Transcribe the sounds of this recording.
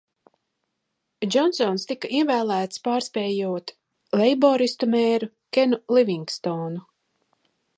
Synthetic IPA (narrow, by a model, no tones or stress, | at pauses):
d͡ʒɔnsɔnst̪ikaʔiɛvæːlˠæːt̪spaːɾspʲɛːjuɔt̪ | lɛjbɔːɾist̪umɛːɾu | kʲɛnulˠivʲiŋkst̪ɔːnu